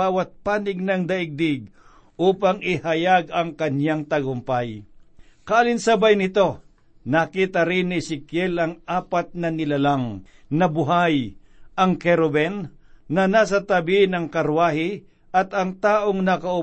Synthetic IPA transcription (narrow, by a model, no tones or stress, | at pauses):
aːwɐt̪̚paːnɪɡ̚nɐŋd̪ɐʔɪɡ̚d̪ɪɡ̚ | ʔuːpɐŋɪhɐjaɡɐŋkɐɲaŋt̪ɐɡʊmpaj | kɐaːlɪnsɐbajnɪt̪o̞ | nakiːt̪ɐɾɪnːɪsɪkjɛlɐŋaːpat̪̚nɐnɪlalaŋnɐbʊɦajʔɐŋkɛɾobɛnːɐnaːs̬ɐt̪ɐbɪnɐŋkɐɾwaːhɪ | ʔɐt̪ɐŋt̪aːʔoŋnɐkɐʊ